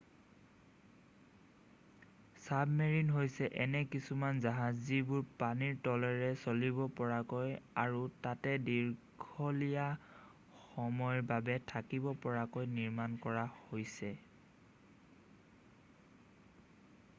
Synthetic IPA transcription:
sabmeɹinɦojsɛʔɛnɛkisumanzaɦazibʊɹpaniɹtɔlɛɹɛsolibɔpɔɹakojaɹutatɛdiɹɡʰʱɔlija | xɔmɔjɹbabɛtʰakibɔpɔɹakojniɹmankɔɹahojsɛ

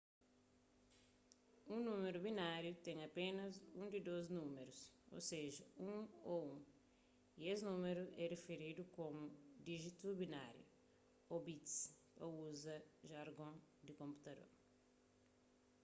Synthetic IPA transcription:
ũnũmeɾubinaɾjut̪ẽŋɐpẽnɐzũd̪id̪oznũmeɾuso̰seʒɐũoũ | iesnũmeɾuʔɛrefeɾid̪ukomud̪iʒit̪ubinaɾjṵ | obit̪spɐuzɐʒaɾɡõd̪ikõmpu̥t̪ɐd̪o̰ɾ

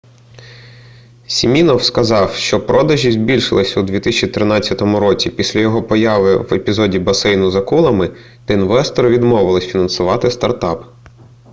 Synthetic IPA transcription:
sʲimʲinɔwskɐzɑwʃt͡ʃɔpɾɔd̪ɐʒʲizʲbʲilʲʃɪ̰lˠɪsʲɐud̪ʲʋʲit̪isʲt͡ʃit̪ɾɪnɑt͡sʲːɐt̪ɔmʊɾɔt͡sʲipʲisʲlʲɐjɔɦɔpɔjɑʋɪʋepʲizɔdʲibɐsɛjnʊzɐkulˠɐmɪ | t̪ɐinʋɛst̪ɔɾʋʲid̪mɔʋɪlˠɪsʲfʲinɐnsʊʋɑt̪ɪst̪ɐrt̪ɑp

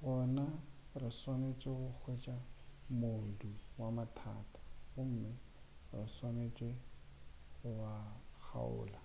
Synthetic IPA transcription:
bɔnaʊrɪswanet͡ʃʼweɣʊk͡xʰwet͡ʃʼamoduwamatʰa̰ːtʰʼḁɣʊm̩ːmɪ | ʊrɪswanet͡ʃʼwe | ɣʊbak͡xʰa̰ʊ̰ːla

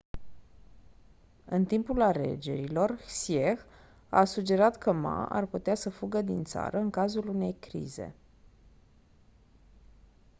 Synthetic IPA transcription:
ɨnt̪impulale̞̰d͡ʒe̞̰ɾilo̞rsiex | a̰sud͡ʒe̞ɾat̪kʰəma̰ʔa̰rput̪easəfuɡəd̪int̪sa̰ɾəɨŋkazulune̞jkɾḭze̞̰

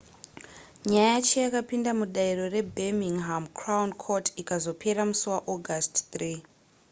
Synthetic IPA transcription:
ɲajajat͡ʃejakapindamuɗairo̞re̞bʱemiŋɦamkʰrawnkʰotikazo̞pʰe̞ɾamusuwaʔoɡʱastt̪riː

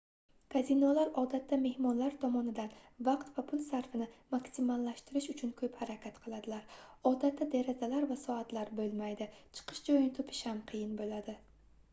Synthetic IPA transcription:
kʰazinɒlaɾɒd̪at̪ʰːame̞hmɒnlaɾt̪ʰɒmɒnɪd̪anvɑqt̪vapʰʊlˠsaɾfɪnɪmaksimalˠːaʃt̪ɪɾɪʃʊt͡ʃʰʊnkʰɵphaɾakʲʰat̪qʰɨlˠad̪ɪlaɾɒd̪at̪ːad̪eɾazalaɾvasɒat̪laɾbɵlˠmajd̪ɪt͡ʃʰɨ̥qʰɨ̥ʃd͡ʒɒjɪnɪt̪ʰopʰɪ̥ʃhamqʰɨjɪnbolad̪ɪ

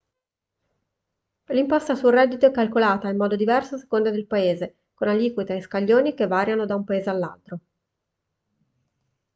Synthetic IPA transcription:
limpɔst̪asulrɛd̪ːit̪oɛkːalkolaːt̪aimːɔːd̪od̪ivɛrsoase̥kond̪ad̪elpaeːze | konaliːkwit̪eajskaʎːoːnikevːaːɾjanod̪aumpaeːzealːa̰lt̪ɾo

